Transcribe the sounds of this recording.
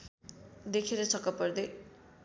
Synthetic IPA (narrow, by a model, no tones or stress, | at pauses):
d̪ekʰeɾʌt͡sʰʌkʌpʌrd̪e